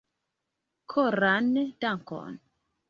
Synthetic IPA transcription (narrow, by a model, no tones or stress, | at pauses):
kʰoɾandaŋkɔ̰n